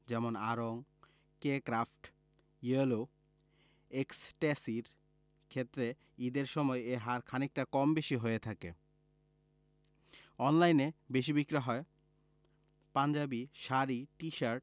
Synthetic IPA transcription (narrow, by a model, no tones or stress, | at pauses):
d͡ʑɛmona̰ɾoŋ | kekɾafʈ | jelo | eksʈesiɾ | kʰet̪ːɾe | id̪eɾʃɔmɔeeɦaɾkʰanik̚ʈakɔmbeʃiɦoet̪ʰakḛ | ɔnlajnebeʃibikɾaɦɔe | pand͡ʑabiʃaɾiʈiʃaɾʈ̚